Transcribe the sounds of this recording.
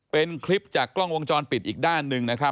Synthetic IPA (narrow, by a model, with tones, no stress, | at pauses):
pe˧nkʰli˦˥p̚t͡ɕaː˨˩klɔ˥˩ŋwo˧ŋt͡ɕɔː˧npi˨˩t̪̚ʔiː˨˩k̚daː˥˩nːɯ˧ŋna˦˥kʰa˦˥